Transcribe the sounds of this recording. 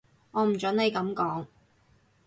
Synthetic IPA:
ŋɔː˨˧m̩˨˩t͡ʃɵ˨˥ne˨˧jkɐ˨˧˥mkɔː˨˥ŋ

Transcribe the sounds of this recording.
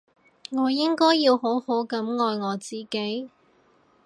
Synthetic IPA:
ŋɔː˨˧jɪ˥ŋkɔː˥jːiː˧who˨˥who˨˥wkɐ˨˥mŋɔː˨˧jŋɔː˨˧t͡siː˨ke˨˥j

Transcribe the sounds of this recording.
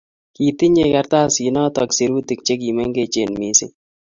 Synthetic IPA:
ki˨ti˦ɲe˧ka˧ɾt̪a˦si˨nɔ˦tɔ˨kse˨ɾu˦ti˨k̚t͡ʃe˦k̬i˨me˦ŋɡe˨t͡ʃe˨nmi˨˦si˦

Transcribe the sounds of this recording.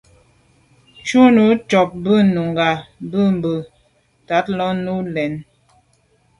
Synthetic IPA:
t͡ʃu˦nu˨˦t͡ʃɔ˨p̚bə˦nu˨ŋɡa˨bə˦˨m˨bə˨ | ta˨˦t̚lɔ˦nu˦lɛ˨n

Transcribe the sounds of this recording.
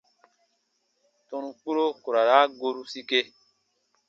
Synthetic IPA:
tɔ̃˧nũ˧k͡pu˦ɾo˦ku˨ɾa˨ɾa˦ɡo˧ɾu˦si˦ke˧

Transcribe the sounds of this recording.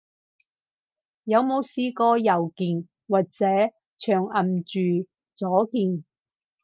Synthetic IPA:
jɐ˨˧wmo˨˧wsiː˧kɔː˧jɐ˨˩wkiː˨n | waː˨t̚t͡sɛː˨˥ | t͡ʃʰœː˨˩ŋɐ˨˩mt͡ʃyː˨ | t͡sɔː˨˥kiː˨n

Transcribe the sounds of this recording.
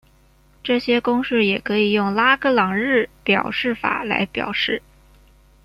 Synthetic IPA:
ʈ͡ʂɤ˥˩ɕjɛ˥kʊ˥ŋʂɻ̩˥˩jɛ˨˩kʰɤ˧˥i˨˩jʊ˥˩ŋla˥kʰɤ˥˩lɑ˨˩ŋɻɻ̩˥˩pjɑ˨˩ʊʂɻ̩˥˩fa̰˨˩la̰˧˥ɪpjɑ̰˨˩ʊʂɻ̩˥˩

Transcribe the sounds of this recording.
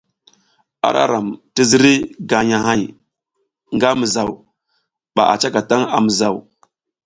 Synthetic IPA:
a̰˦ɾa̰˦ɾa˨mti˦zi˦ɾi˦ɡa˨ɲa˨ha˨j | ŋɡa˦mə˨za˨w | ɓa̰˨ʔa̰˨t͡ʃa˦ka˨ta˦ŋa̰˨mə˨za˨w

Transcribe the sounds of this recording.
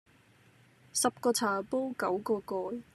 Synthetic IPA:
sɐ˨p̚kɔː˧t͡sʰaː˨˩po˥wkɐ˨˥wkɔː˧kɔː˧j

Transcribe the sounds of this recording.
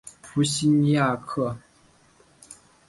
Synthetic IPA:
pʰu˧˨˥ɕi˥nja˥˧kʰɤ˥˩

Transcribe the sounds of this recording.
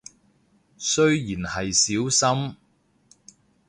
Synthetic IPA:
sɵ˥ɥjiː˨˩nhɐ˨jsiː˨˥wsɐ˥m

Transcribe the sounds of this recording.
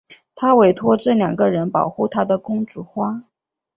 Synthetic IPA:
t̪ʰa˥we˧˥ɪt̪ʰwɔ˥ʈ͡ʂɤ˥˩ljɑ˨˩ŋɡə˦ɻə˧˥npɑ˨˩ʊxu˥˩t̪ʰa˥d̪ə˨kʊ˥ŋʈ͡ʂu˨˩xwa˥

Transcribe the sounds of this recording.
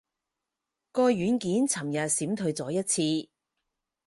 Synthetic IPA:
kɔː˧jɥyː˨˥nkiː˨˥nt͡sʰɐ˨˩mjɐ˨t̚siː˨˥mt̪ʰɵ˧ɥt͡sɔː˨˥jɐ˥t̚t͡sʰiː˧

